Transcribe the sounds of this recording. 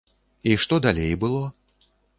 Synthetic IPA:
iʂt̪ɔd̪alʲejbɨlˠɔ

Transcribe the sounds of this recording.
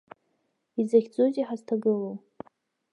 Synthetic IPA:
izaχʲd͡zuzʼiħaztʰaɡɨlow

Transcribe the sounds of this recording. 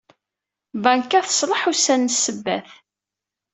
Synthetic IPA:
bæŋkːæθə̥sˤlˤəħusænːsːəbːæ̰θ

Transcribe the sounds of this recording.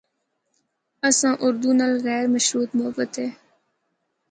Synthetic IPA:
əsãːʔʊɾd̪unalɣɛːɾməʃɾuːt̪mʊɦəbət̪eː

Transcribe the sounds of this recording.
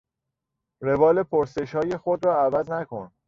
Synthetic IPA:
re̞vɒːlepʰoɾse̞ʃhɒːjexod̪ɾɒːæbæd̪nækʰon

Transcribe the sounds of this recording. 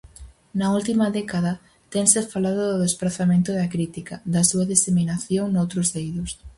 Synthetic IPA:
nɐult̪imɐðɛkaðɐ | t̪eŋsɪfalaðʊðʊðespɾaθamẽnt̪ʊðɐkɾit̪ikɐd̪ɐsuɐðiseminaθjoŋnowt̪ɾʊzðejðʊs

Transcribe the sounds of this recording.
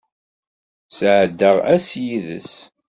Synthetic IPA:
sʕəd̪ːəʁæsjiðə̰s

